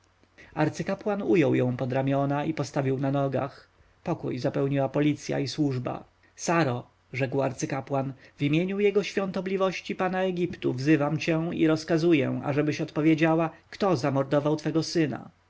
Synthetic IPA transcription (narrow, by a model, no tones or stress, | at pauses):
aɾt̪sɘkapwanujɔwjɔ̃w̃pɔd̪ɾamʲjɔnaipɔst̪avʲiwnanɔɡa̰x | pɔkṵjzapɛwɲiwapɔlʲit̪sʲja̰iswuʐba̰ | saɾɔ | ʐɛkwa̰ɾt̪sɘkapwanvimʲjeɲujɛɡɔɕfʲjɔ̃nt̪ɔblʲivɔɕt͡ɕipanaɛɡʲipt̪uvzɘvamt͡ɕɛ̃ḭɾɔskazujɛ̰̃a̰ʐɛbɘɕɔt̪pɔvʲjed͡ʑawakt̪ɔzamɔɾd̪ɔvawt̪fɛɡɔsɘna̰